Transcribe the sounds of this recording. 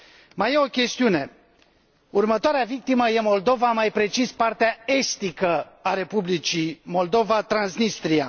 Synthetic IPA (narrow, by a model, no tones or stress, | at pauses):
majeo̞kʲe̞st̪iune̞ | urmət̪oaɾeavik̚t̪iməje̞mo̞ld̪o̞vamajpɾe̞t͡ʃispart̪eae̞st̪ikəaɾe̞publit͡ʃimo̞ld̪o̞vat̪ɾansnist̪ɾia